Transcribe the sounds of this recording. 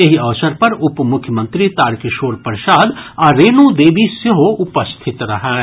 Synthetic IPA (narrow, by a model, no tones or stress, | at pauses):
jɐɦiɐʋsəɾpɐɾʊpmʊkʰjəmə̃nt̪ɾit̪aːɾkɪʃoːɾpɾʃaːd̪aɾeːnod̪eːʋisjɐɦoʊpəst̪ʰɪt̪ɾɐɦɛː